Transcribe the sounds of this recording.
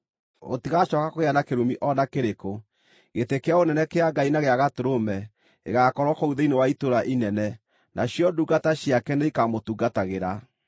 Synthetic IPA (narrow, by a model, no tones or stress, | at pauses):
o̰tiɣaʃɔkakoɣeanakeɾumiʔɔnakeɾeko | ɣetekeaonɛnɛkeaɡainaɣeaɣatoɾomɛ | ḛɣakɔɾwɔkouðeinewaitoɾaʔinɛnɛ | nʔaɕjɔduɡataɕjakɛneikamotuɡataɣeɾa